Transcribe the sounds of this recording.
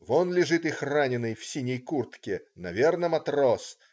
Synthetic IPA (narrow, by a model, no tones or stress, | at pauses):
vonlʲɪʐɨt̪ɨxranʲɪnɨjfsʲinʲɪjkurt̪kʲɪnɐvʲernəmɐt̪ɾos